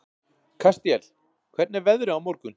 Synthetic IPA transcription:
kʰast̪jɛl | kʰvɛɾt̪nɪɾvɛðɾɪawmɔɾkʏn

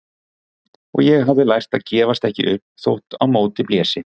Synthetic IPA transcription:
ɔ̰ɣjɛɣɦavðɪlajr̥t̪aðcɛːvast̪ɛhcɪ̰ʔʏhpnθo̰wht̪awmoːwt̪ɪpljɛːsɪ

